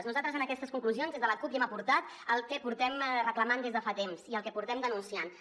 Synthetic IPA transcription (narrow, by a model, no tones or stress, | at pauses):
znuzalt̪ɾəzənəkɛst̪əskuŋkluzijonzðezðələkupiɛməpuɾt̪at̪ | əlˠkɛpuɾt̪ɛmrəkləmand̪ezðəfat̪emziəlˠkɛpuɾt̪ɛmd̪ənunsian